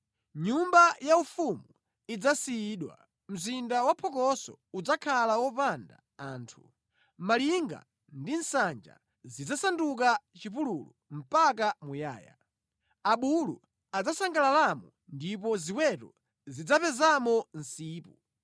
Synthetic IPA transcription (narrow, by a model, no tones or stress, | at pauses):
ɲumbajaufumu | id͡zasiiɗwa̰ | m̩zindawapʰɔkɔsɔ̰ud͡zakʰalawɔpanda̰ | aːntʰu | maliŋɡa̰ | ndin̩sand͡ʒa̰ | zid͡zasanduk̬at͡ʃipululum̩pakamuja̰ːja̰ | aɓulṵ | ad͡zasaŋɡalalamɔ | ndipɔziwɛtɔ | zid͡zapɛzamɔn̩siːpu